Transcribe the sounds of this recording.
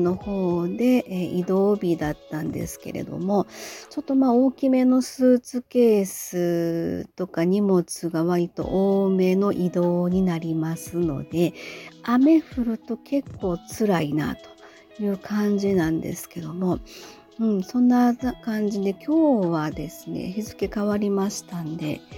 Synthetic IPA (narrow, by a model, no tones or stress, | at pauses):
no̞ho̞ːd̪e̞ʔid̪o̞ːbʲid̪at̪ːãnd̪e̞̰sɨ̥ke̞̰ɾe̞̰d̪o̞̰mo̞t͡ɕo̞t̪ːo̞maːo̞ːkʲime̞no̞sɨːt͡sɨke̞ːsɨt̪o̞kaɲ̟imo̞t͡sɨɡaβaɾʲit̪o̞̰ʔoːme̞ːno̞ʔid̪o̞ːɲ̟inaɾʲimasɨno̞̰d̪e̞ame̞ɸɯ̟ɾɯ̟t̪o̞kʰe̞kːo̞ːt͡sɨɾaina̰t̪o̞̥ | jɯ̟ːkʰãɲ̟d͡ʑinãnd̪e̞̰sɨ̥ke̞d̪o̞mo̞ | ɯ̟̃ɴsõ̞nːakãɲ̟d͡ʑid̪e̞kʲo̞ːβad̪e̞sɨne̞̰çizɨke̞kaβaɾʲimaɕi̥t̪and̪e̞̰